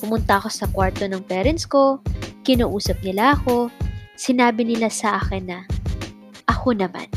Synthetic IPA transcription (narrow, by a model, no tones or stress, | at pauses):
pʊmʊnt̪ɐʔɐko̞sɐkwaɹt̪o̞nɐŋpɛːɾɛnsko̞kɪnɐːʔuːsɐp̚nɪlaʔɐko̞sɪnaːbɪnɪlasɐʔaːxɪnːɐ | ʔɐko̞nɐma̰n